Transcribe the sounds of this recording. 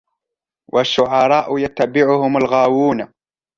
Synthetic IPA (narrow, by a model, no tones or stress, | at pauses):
wʔaʃːʊʕɑɾˤɑːʔjat̪ːabɪʕʊhʊmalɣaːwuːn